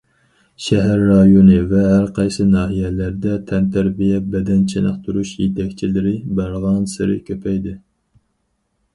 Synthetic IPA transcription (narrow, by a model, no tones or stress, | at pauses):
ʃɛɦæɾːɑjonɨvɛɦæɾqʰɑjsɨnɑːɦijɛlæɾd̪ɛt̪ʰɛnt̪ʰæɾbijɛbɛd̪ɛnt͡ʃʰɪnɑ̰χt̪ʰuɾuʃjet̪ʰɛkʲt͡ʃʰilɪɾɪbæɾʁɑnsɪɾɪ̰kʲʰøpʰɛjd̪ɪ